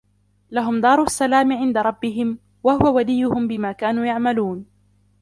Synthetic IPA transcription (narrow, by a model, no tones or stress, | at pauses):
laɦʊmd̪ɑːɾˤʊsːalaːmɪʕɪnd̪aɾˤɑbːɪɦɪm | wahʊwawalɪjːʊhʊmbɪmaːkaːnuːjaʕmaluːn